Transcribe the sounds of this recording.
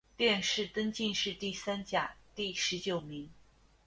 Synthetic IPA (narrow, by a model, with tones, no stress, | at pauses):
t̪jɛ˥˧nʂɻ̩˥˩t̪ə˥ŋt͡ɕi˥˧nʂɻ̩˥˧t̪i˥˩sa˥nt͡ɕja˨˩˦t̪i˥˩ʂɻ̩˧˥t͡ɕjo˨˩ʊmi˧˥ŋ